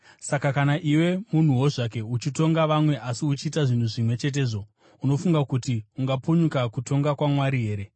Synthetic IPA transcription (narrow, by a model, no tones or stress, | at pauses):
sakakanaʔiwe̞mun̤uwo̞ʐak̬e̞ut͡ʃito̞ŋɡaʋamwe̞ʔasiut͡ʃiːtaʐin̤uʐimwe̞t͡ʃe̞t̬e̞ːʐo̞ | uno̞fuŋɡakutiuŋɡapuɲukakuto̞ŋɡakwamwaɾiɦe̞ːɾe̞